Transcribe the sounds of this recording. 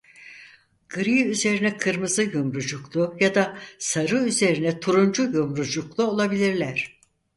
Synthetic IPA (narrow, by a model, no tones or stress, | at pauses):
ɡ̥ɯɾiyze̞ɾinɛkʰɯɾmɯzɯjumɾud͡ʒuklˠujad̪asaɾɯyze̞ɾinɛt̪ʰuɾund͡ʒujumɾud͡ʒuklˠuo̞lˠabilʲiɾlʲæɾ̥